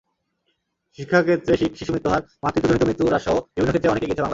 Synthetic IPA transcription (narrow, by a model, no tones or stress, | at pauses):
ʃikʰːaket̪ːɾeʃikʃiʃumɾit̪ːoɦaɾmat̪ɾit̪od͡ʑonit̪omɾit̪ːɾuɾaʃooebonokʰet̪ːɾeɔnekeɡiet͡ɕeaŋla